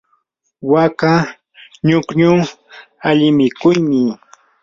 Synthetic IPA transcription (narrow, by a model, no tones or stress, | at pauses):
waka | ɲʊkɲʊ | aʎɪmɪkʊjmɪ